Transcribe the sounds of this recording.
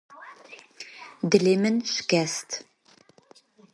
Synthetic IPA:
dɨlemɨnɕkæstʰ

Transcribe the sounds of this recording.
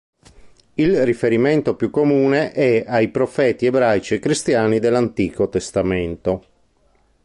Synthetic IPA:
ilrifeɾiment̪opjukːomuːneʔɛajpɾofɛːt̪iebɾajt͡ʃiekːɾist̪jaːnid̪elːant̪iːkot̪est̪ament̪o

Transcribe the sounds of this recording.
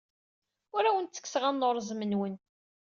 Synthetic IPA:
ʊɾæwənt̪t͡sːə̥kːsʁanːoɾˤzmənwən

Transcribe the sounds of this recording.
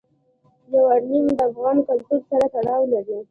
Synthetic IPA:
jawaɾlimd̪əafɣɑnkalt̪uɾsaɾat̪aɽɑwlaɾi

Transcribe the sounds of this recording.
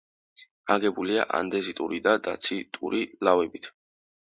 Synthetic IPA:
aɡɛbuliaʔa̰nd̪ɛzit̪ʼuɾid̪ad̪a̰t̪sʰit̪ʼuɾilavɛbit̪ʰ

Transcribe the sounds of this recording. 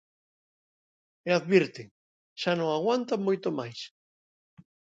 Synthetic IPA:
eaðβiɾt̪ɪ | ʃanõŋaɣwant̪amojt̪omajs

